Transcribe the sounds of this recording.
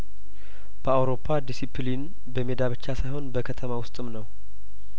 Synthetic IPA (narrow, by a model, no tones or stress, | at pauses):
b̥əawɾo̞pʰːad̪isipʰlin | bəmed̪aβɨt͡ʃːasajho̞nbəkʰət̪ʰəmawʊst̪ʼɨmnəw